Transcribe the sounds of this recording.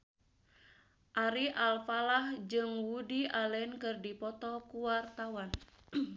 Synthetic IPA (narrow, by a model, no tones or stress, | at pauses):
ʔaɾiʔalfalahd͡ʒɨŋwudialɛnkɨrdipɔt̪ɔkuwart̪awan